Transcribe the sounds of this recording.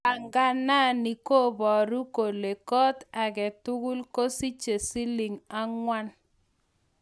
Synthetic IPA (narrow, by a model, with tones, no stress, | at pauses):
a˨ŋɡa˦na˦ni˨ko˦bɔ˨ɾu˦ko˨le˨kɔ˦ta˨kɛ˨tʊ˦kʊ˦lko˦si˦t͡ʃe˨si˦lɪ˨ŋa˦ŋwa˦n